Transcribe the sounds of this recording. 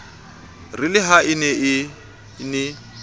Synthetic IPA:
rɪlɪɦaɪnɛɪ | nɪ

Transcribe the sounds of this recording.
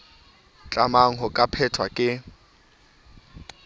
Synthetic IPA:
t͡ɬʼamaŋ̩ɦʊkʼapʰɛtʰwakʼɪ

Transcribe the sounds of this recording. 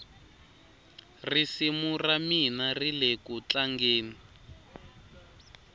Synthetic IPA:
risimuraminarilekut͡ɬaŋɡeːni

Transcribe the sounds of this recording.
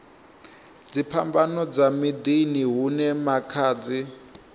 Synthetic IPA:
d͡zipʰambanɔd͡zamid̪iniɦunɛmakʰaːd͡zi

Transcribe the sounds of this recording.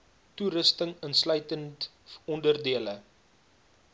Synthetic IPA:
tuɾəstəŋənslœɥtənt | ɔndərdiələ

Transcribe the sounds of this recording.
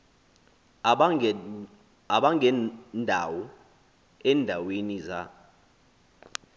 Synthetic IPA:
aɓaŋʱɛndʱawɔ | ɛndʱaweniza̰

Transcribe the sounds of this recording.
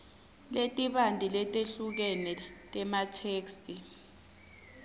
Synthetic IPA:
letʼiɓandʱilɛtʼeɬuk̬ɛnɛtʼɛmatʰeːkstʼi

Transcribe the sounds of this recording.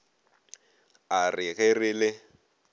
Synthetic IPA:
ariɣeriːlɛ

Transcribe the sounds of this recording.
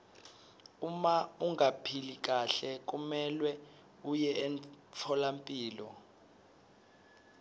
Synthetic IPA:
umauŋapʰilik̬ʼaɬɛk̬ʼumɛlwɛ | ujɛːnt͡sʰɔlampʼiːlɔ̰

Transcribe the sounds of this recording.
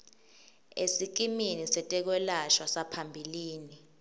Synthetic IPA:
ḛsik̬iminisɛtʼɛk̬wɛlaʃwasapʰambʱiliːni

